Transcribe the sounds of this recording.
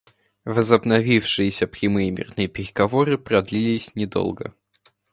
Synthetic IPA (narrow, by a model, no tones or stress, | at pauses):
vəzəbnɐvʲifʂɨjɪsʲəpɾʲɪmɨjɪmʲɪ̰rnɨjəpʲɪɾʲɪɡɐvo̞ɾɨpɾɐd̪lʲilʲɪsʲnʲɪd̪o̞̰lˠɡə̰